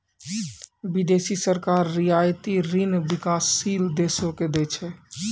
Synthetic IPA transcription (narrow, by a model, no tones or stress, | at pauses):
bid̪esisəɾkaɾːijajt̪iɾinbikasːild̪esoked̪ɛt͡ʃʰɛ